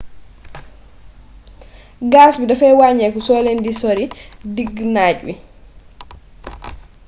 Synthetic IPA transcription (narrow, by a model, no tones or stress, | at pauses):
ɡaːsbidɔfɛwaɲɛkɔsɔːlɛndisoɾidiɡnaːd͡ʒwḭ